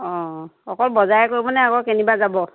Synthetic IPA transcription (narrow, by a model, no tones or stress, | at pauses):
ɔxɔkɔlbɔzajɛkoɹibɔnɛakɔkenibazabɔ